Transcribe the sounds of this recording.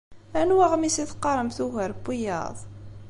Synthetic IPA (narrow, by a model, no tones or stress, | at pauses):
ænwæʁmisiθqːɑɾˤəmθuʝəɾbːijɑ̰ðˤ